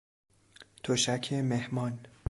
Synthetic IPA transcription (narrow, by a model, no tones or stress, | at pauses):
t̪ʰoʃækʰemehmɒːn